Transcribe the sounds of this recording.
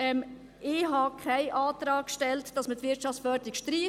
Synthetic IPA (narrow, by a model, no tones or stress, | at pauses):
ɛm | ɪɦɑkʰaɪʔɑːtɾɑːk̚kʃtɛltd̥ɑsmətʋɪt͡ʃɑft͡sfœdɪkʃtɾiː